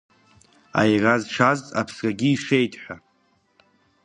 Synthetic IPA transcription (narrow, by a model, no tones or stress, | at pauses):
a̰jrazʈ͡ʂʰaztʼa̰pʰsrʲʼaɡʲiːʂe̞jtʼħʷa